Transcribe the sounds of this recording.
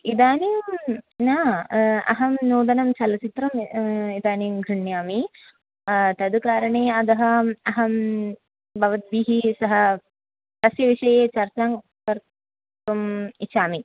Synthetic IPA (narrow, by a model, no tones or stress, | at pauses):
id̪aːniːmnaːɐ̰ɦɐmnuːd̪ɐnɐmt͡ʃɐlɐt͡ʃit̪ɾɐmid̪aːnimɡʱɾuɳjaːmi | t̪ɐd̪ukaːɾɐɳeːɐd̪ɐɦɐɐɦɐm | bɐʋɐt̪̚biːɦisɐɦɐ̆ | t̪ɐsjɐʋiʂɐjeːt͡ʃɐɾt͡ʃaːŋ | pɐɾ | ɐmit͡ʃaːmi